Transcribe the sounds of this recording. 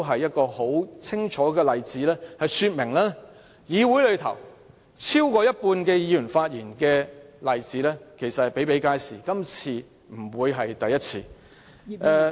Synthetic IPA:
ɦɐ˨jːɐ˥t̚kɔː˧ho˨˥wt͡sʰɪ˥ŋt͡ʃʰɔː˨˥kɛː˧lɐ˨jt͡siː˨˥lɛː˥hɐ˨jsyː˧t̚mɪ˨˩ŋlɛː˥ | jiː˨˧wu˨˥jlɵ˨˧ɥt̪ʰɐ̰˨˩w | t͡sʰiː˥wkɔː˧jɐ˥t̚puː˧nkɛ˧jiː˨˧jyː˨˩nfaː˧t̚jiː˨˩nkɛː˧lɐ˨jt͡siː˨˥lɛː˥kʰe˨˩jsɐ˨t̚hɐ˨˩pe˨˥jpe˨˥jkaː˥jsiː˨kɐ˥mt͡sʰiː˧ | m̩˨˩wuː˨˧jɦɐ˨jt̪ɐ˨jːɐ˥t̚t͡sʰiː˧ | ɛː˧

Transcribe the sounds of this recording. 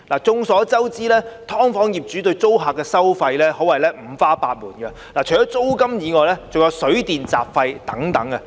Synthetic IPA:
laː˨˩t͡sʊ˧ŋsɔː˨˥t͡sɐ˥wt͡siː˥lɛː˥t̪ʰɔː˥ŋfɔː˨˥ŋjiː˨p̚t͡ʃyː˨˥t̪̬ɵ˧ɥt͡so˥wɦaː˨k̚ːɛː˧sɐ˥wfɐ˧jlɛː˥hɔː˨˥wɐ˨jlɛː˥m̩˨˩faː˥paː˧t̚muː˨˩nkɐ˧ | laː˨˩t͡ʃʰjɔː˥t͡so˥wkɐ˥mjiː˨˧ŋɔː˨jlɛː˥t͡soʊ˨ŋjɐ˨˧wsɵ˨˥ɥt̪iː˨nt͡sa̰ː˨p̚fɐ˧jt̪ɐ˨˥ŋt̪ɐ˨˥ŋɐ˧

